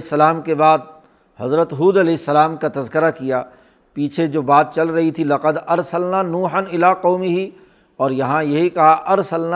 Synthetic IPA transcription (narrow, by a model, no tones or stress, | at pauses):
sːəlaːmkebaːd̪̚ | hɐzɾət̪ɦuːd̪ɐlɛːɪsːəlaːmkat̪ɐzkɪɾakijaː | piːt͡ʃʰed͡ʒoːbaːt̪̚t͡ʃɐlɾɐɦit̪ʰilɐqəd̪ɐɾsəlnanuːħənɪlaːqɔːmɪɦi | ɔːɾjɐɦãjɐɦikɐɦaʔɐɾsəln